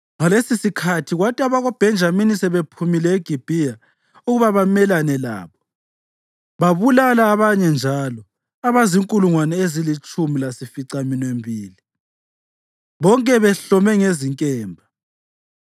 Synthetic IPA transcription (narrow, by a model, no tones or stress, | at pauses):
ŋalesisikʰatʰiɣwatʼiaβaɣɔb̥ʱɛnd͡ʒʱaminisɛβepʰumilɛeɡ̥ʱib̥ʱia | uɣuβaβamɛlanɛla̰ːβɔ | βaβulalaːβaɲɛnd͡ʒʱalɔ | aβaziŋkʼuluŋwanɛezilit͡ʃʼumilasifiǀaminembʱiːli | βɔŋkʼɛβɛɬɔmɛŋeziŋkʼɛːmbʱa